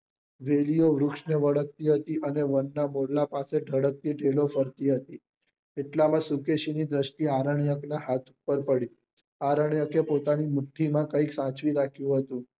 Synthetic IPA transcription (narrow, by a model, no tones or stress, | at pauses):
ʋelijoʋɾukʂneʋəɽək̚t̪iːɦət̪iʔəneʋənːamoɽlapaseɖʱəɽək̚t̪iːɖʱelofəɾt̪iːɦət̪iː | eʈlamãsukeɕinid̪ɾəʃʈiːaɾəɳjəknaɦat̪ʰupːəɾpəɽiː | aɾəɳjəkepot̪animuʈʰːimãkəiksãt͡ʃʋiːɾakʰjũɦət̪ũː